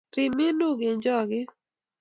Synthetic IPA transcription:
ɾɪ˨mɪ˦no˦ɡɪ˨ɲd͡ʒɔ˦˨ɡɪ˦

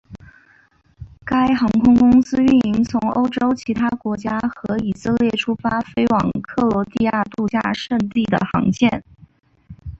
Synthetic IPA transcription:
ka˥ɪxɑ˧˥ŋkʰʊ˥ŋkʊ˥ŋsɹ̩˥y˥˩ni˧˥ŋt͡sʰʊ˧˥ŋo̰˥ʊʈ͡ʂo˥ʊt͡ɕʰi˧˥t̪ʰa˥kwɔ˧˥t͡ɕja˥xɤ˧˥i˨˩sɤ˥˧ljɛ˥˩ʈ͡ʂʰu˥fa˥fe˥ɪwɑ˨˩ŋkʰɤ˥˩lwɔ˧˥t̪i˥˧ja˥˧t̪u˥˧ɕja̰˥˧ʂə˥˧ŋt̪i˥˩d̪ə̰˩xɑ̰˧˥ŋt͡ɕjɛ˥˩n

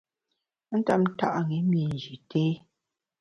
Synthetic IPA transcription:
n̩˦ta˦m˦ta̰˦˨ʔŋe˨˦mji˨n˨d͡ʒi˨teː˦

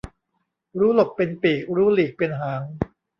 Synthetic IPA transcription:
ɾuː˦˥lo˨˩k̚pe˧npiː˨˩k̚ɾuː˦˥liː˨˩k̚pe˧nɦaː˩˦ŋ

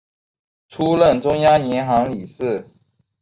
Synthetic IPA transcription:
ʈ͡ʂʰu˦lə˥˨nʈ͡ʂʊ˥ŋja˥ŋnjɛ˧˦˥nxɑ˧˦˥ŋli˨˩ʂ̩˥˩

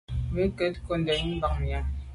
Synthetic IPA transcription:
be˦kə˨˦tko˨ndɛ˨˦ɡa˨mja˨

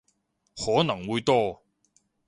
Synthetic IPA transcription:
hɔː˨˥nɐ˨˩ŋwuː˨˧jt̪ɔː˥

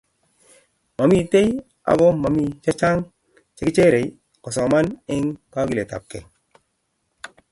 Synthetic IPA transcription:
ma˨mi˦te˦j | a̰˨ɡo˦ma˨mi˧t͡ʃa˦t͡ʃa˦ŋ | t͡ʃe˨i˦t͡ʃe˦ɾe˨j | ko˨sɔ˨ma˦ne˦ŋka˦ɡi˦˨le˨ta̰˨p̚kḛ˨

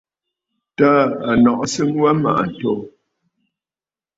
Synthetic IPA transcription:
ta˦a˨nɔ˨ʔɔ˦sɨ˦ŋ˦wɛ˦ma̰˨ʔa˨n̩˨to˦

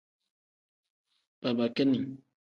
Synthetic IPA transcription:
b̥a˨ba˨kɛ˦ni˨

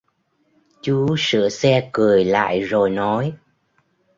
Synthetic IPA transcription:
t͡ɕu˨˦sɨ̰˧˨əsɛ˧kɨ˨˩əjla̰ː˧˨jzo˨˩jnɔ˨˦j

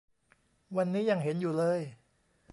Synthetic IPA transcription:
wa˧nːiː˦˥ja˧ŋɦe˩˦njuː˨˩lɤː˧j

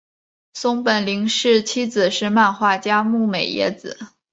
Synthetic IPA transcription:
sʊ˥ŋpə˨˩nli˧˥ŋʂɻ̩˥˧t͡ɕʰi˥d͡zɹ̩˨˩ʂɻ̩˥˧ma˥˧nxwa˥˩t͡ɕja˥mu˥˩me˨˩ɪjɛ̰˧˥t͡sɹ̩˨˩˦

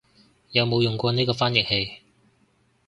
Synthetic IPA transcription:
jɐ˨˧wmo˨˧wjʊ˨ŋkʷɔː˧niː˥kɔː˧faː˥njɪ˨k̚he˧j

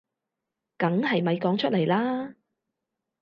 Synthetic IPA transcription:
kɐ˨˥ŋhɐ˨jmɐ˨˧jkɔː˨˥ŋt͡ʃʰɵ˥t̚lɐ˨˩jlaː˥

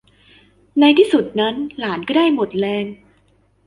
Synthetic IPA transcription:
na˧jt̪ʰiː˥˩su˨˩t̪̚na˦˥nlaː˩˦nkɔː˥˩daː˥˩jmo˨˩t̪̚lɛː˧ŋ

